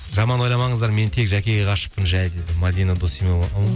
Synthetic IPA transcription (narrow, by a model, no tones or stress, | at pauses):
ʒɑmɑnwo̞jlˠɑmɑɴəzd̪ɑɾme̞nt̪ʰe̞kʒækʲe̞ɡʲeqɑʃə̥pːənʒæjd̪ed̪ɪmad̪ijnad̪osime